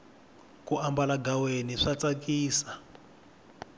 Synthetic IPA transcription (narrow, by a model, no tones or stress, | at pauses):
kuambalaɡaweniʂat͡sakiːsa